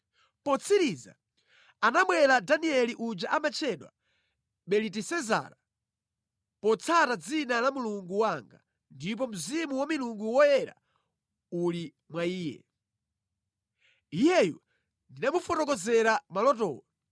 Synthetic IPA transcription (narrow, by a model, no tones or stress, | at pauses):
pɔt͡sʰiɾiza̰ | anamwɛɾadaniɛliʔud͡ʒaʔamat͡ʃʰɛɗwa̰ | ɓɛlitisɛza̰ɾa | pɔt͡sʰatad͡zinalamuluŋɡuwaŋɡa̰ | ndip̬ɔm̩zimuwamiluŋɡuwɔjɛɾa̰ | uli | mwaiːjɛ̰ | ijɛjɔ | ndinamufɔtɔk̬ɔzɛɾamalɔtɔ̰ːwa